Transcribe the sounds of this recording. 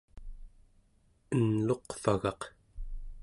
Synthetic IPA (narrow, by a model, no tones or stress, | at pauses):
ənlo̞qfaɣɑq